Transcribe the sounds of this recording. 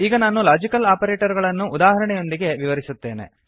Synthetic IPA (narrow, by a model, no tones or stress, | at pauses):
iːɡɐnaːnulaːd͡ʒikɐlaːpɐɾeːʈɐɾɡɐɭɐnːuʔːd̪aːɦɐɾɐɳɛjo̞nd̪iɡe̞ʋiʋɐɾisut̪ːe̞ːne̞̰